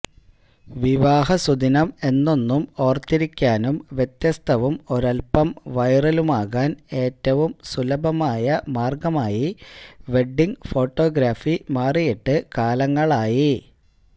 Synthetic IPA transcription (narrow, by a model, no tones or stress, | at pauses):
ʋiʋaːɦɐsud̪inɐme̞nːo̞nːumo̞ːrt̪ːiɾikʲːaːnumʋjet̪jɐst̪ʰɐʋumo̞ɾɐlpɐmʋɐjrɐlumaːɣaːne̞ːtːɐʋumsulɐbʱɐmaːjɐmaːrɡɐmaːjiʋe̞ɖiŋɡfo̞ːʈːo̞ːɡɾaːfimaːrijiʈːɨkaːlɐŋːɐɭaːji